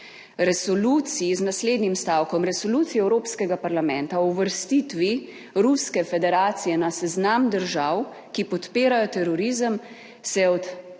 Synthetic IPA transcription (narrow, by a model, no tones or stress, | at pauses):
ɾɛsɔluːt̪sijiznasleːd̪nimst̪aːwkɔmɾɛsɔluːt̪sijɛwɾoːpskɛɡapaɾlamɛnt̪auʋəɾst̪it̪ʋi | ɾuskɛfɛd̪ɛɾaːt̪sijɛnasɛznamd̪əɾʒaw | kipɔt̪peːɾajɔt̪ɛɾɔɾiːzəm | sɛɔt̪